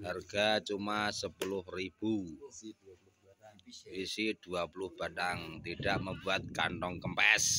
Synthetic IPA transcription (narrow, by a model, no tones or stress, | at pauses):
harɡ̥at͡ʃumasəpulʊhrib̥u | wisid̥uapulʊhb̥aɗaŋt̪id̥aʔməbuat̪̚ka̰nt̪ɔŋkəmpɛs